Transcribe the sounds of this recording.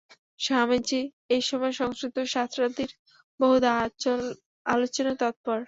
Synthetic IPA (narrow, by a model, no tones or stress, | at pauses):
ʃamet͡ɕi | ejʃɔmɔeʃɔŋskɾit̪oʃat̪ʰɾad̪iɾ | boɦud̪a | alot͡ɕonat̪ɔt̪̚pɔɾ